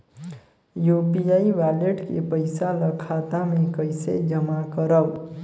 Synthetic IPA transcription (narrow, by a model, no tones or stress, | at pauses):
jopiaiʋaleʈkḛpəɪsaləkʰat̪amẽkəjsḛd͡ʒəmakəɾəw